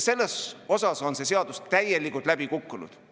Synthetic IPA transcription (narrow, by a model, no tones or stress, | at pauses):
se̞lːeso̞sɑso̞nse̞se̞ɑd̪̥ust̪æje̞likˑult̪læb̥ikukːunṵd̪̥